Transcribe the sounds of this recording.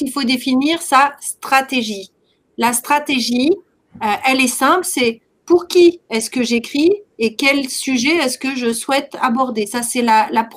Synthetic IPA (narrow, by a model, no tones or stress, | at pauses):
ilfod̪efiniʁsast̪χat̪eʒi | last̪χat̪eʒi | øʔɛlɛsɛ̃plsɛ | puʁkʲiɛskəʒekχiekʲɛlsyʒɛɛskəʒəswɛt̪abɔʁd̪esasɛlalap